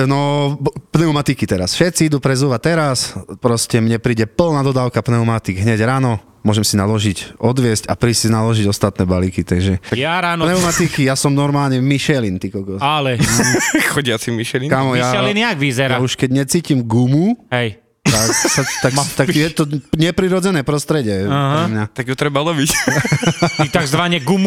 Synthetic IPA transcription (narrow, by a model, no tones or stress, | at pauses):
nɔpnɛumat̪ikit̪ɛɾasfʃɛt̪t͡siid̪upɾɛzuʋat̪ɛɾaspɾɔscɛmɲɛpɾiːɟɛpl̩nad̪ɔd̪aːʊkapnɛumat̪iɡɦɲɛɟɾaːnɔ | mʊɔʒɛmsinalɔʒicɔd̪ʋɪɛscapɾiːsinalɔʒiɟɔst̪at̪nɛbalikit̪ɛɡʒɛaɾaːnnɛumat̪ikijasɔmnɔɾmaːlɲɛmiʃɛlint̪ikɔkɔalɛ | xɔɟɪat͡simmiʃɛlinkamɔjaɛlinaɡʋizɛɾauʃkɛɟɲɛt͡siːcimɡumuɦɛj | asat̪ak̪akjɛt̪ɔɲɛpɾiɾɔd͡zɛnɛːpɾɔst̪ɾɛɟɛaɦɾɛmɲat̪aɡjut̪ɾɛbalɔbic | it̪aɡzʋaɲɛɡumu